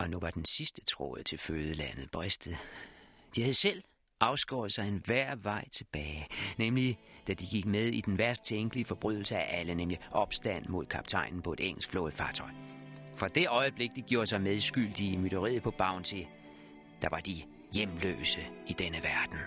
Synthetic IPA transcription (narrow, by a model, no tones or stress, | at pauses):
ʔɒ̽nuʋɑ̈d̥ensisd̥ə̥t͡sʰʁɔ̰ːð̩ˠt͡sʰe̝lføːðˠəlæn̰ð̩ˠb̥ʁesd̥ð̩ˠ | d̥ihæðˠsel̰ | ɑ̈ʊsɡ̥ɒːð̩ˠsɑ̈ɪenʋæɐ̰ʋɑ̈ɪ̰t͡sʰe̝b̥ɛːɪnemlid̥æd̥iɡ̥iɡ̥̚með̞ˠid̥enʋæɐsd̥̚t͡sʰeŋɡ̥liəfɒ̽b̥ʁyðˠl̩səæʔælənemliʔɒ̽b̥sd̥æn̰mo̝ðˠkʰɑ̈b̥t͡sʰɑ̈ɪ̰nn̩pʰɒ̽e̝d̥eŋ̰l̩sɡ̥flɔ̰̽ːð̩ˠfɑ̈ːt͡sʰɒ̽ɪ̰ | fʁɑ̈d̥e̝ʔɒ̽ɪəb̥le̝ɡ̥̚d̥iɡ̥jo̝ɐ̥sɑ̈ɪmeð̞ˠsɡ̥yl̰d̥iəmyɾ̥əʁḭːðˠpʰɒ̽b̥ɑ̈ʊ̰nt͡sʰe̝ | d̥ɑ̈ʋɑ̈d̥i | jemlø̰ːsəid̥enəʋæɐd̥n̩